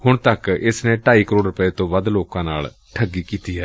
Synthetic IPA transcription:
hʊɳt̪əkɪsnẽːʈaːiːkəɾoːɖɾʊpəeːt̪õːʋəd̪loːkãːnaːl | ʈʰəɡːiːkiːt̪iːɦɛː

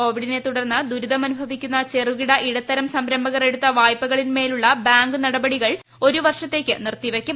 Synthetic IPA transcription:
o̞ːʋiɽine̞t̪uɽɐrnːɨd̪uɾud̪ɐmɐnubʱɐʋikʲːunːɐt͡ɕe̞ruʋiɽɐʔiɽɐt̪ːɐɾɐmsɐmɾɐmbɐɣɐre̞ɽut̪ːɐʋaːjpːɐɣɐɭinme̞ːluɭːɐbaːŋɡɨnɐɽɐbɐɽiɣɐɭ | o̞ɾuʋɐrʂɐt̪ːe̞ːkʲːɨnirt̪ːiʋɐkʲːɐ

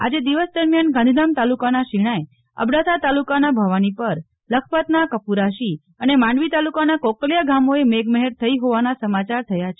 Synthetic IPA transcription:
a̰d͡ʒed̪iʋəsd̪əɾmjanɡãnd̪ʱid̪amt̪alukanaʃiɽ̃aj | ə̰bɽat̪ʰat̪alukanabʱəʋanipəɾ | ləkʰpət̪nakəpuɾaʃi | ənemãɳɖʋit̪alukanakokljaɡamoemeɡməɦɛɾt̪ʰəiɦoʋanasəmat͡ʃaɾt̪ʰəjat͡ʃʰe

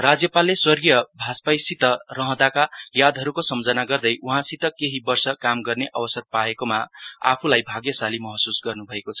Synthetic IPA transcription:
rad͡zjʌpalːeswʌrɡijʌbʱaspajsit̪ʌrʌɦʌ̃d̪akajad̪ʱɦʌɾukosʌmd͡zʌnaɡʌrd̪ʌjʔuɦãsit̪ʌkeɦibʌrsʌkamɡʌrneʔʌbʌsʌrpaekomaa̰pʰulajbʱaɡjʌsalimʌɦʌsusɡʌrnubʱʌekot͡sʰʌ

